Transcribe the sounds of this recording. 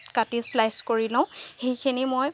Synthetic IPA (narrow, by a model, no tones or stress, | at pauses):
katislajskoɹilɔ̃ʊ̃xejkʰinimoj